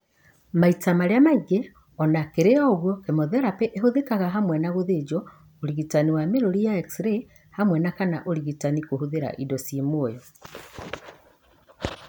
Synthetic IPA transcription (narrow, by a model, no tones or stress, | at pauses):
maitamaɾeamaiɡɛ | ɔnakeɾeɔɔɣwɔkemoðɛɾapɛʔeɦoðekaɣaɦamwɛnaɣoðed͡ʒɔ | oɾiɣitaniwameɾoɾijaɛksɾe | hamwɛnakanaʔoɾiɣitanikohoðeɾa̰ʔidɔsimoojɔ